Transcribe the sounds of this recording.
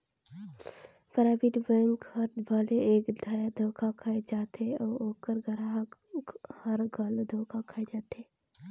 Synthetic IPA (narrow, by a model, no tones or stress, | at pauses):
pəɾaːbiʈ̪bəŋkɐɾd̪baːleeːkd̪ʱaːjad̪ʱoːkʰakʰaːed͡ʒaːt̪eɔːoːkəɾɡʱɐɾaɦ | hɐɾɡʱɐld̪ʱoːkʰakʰaed͡ʒaːt̪eː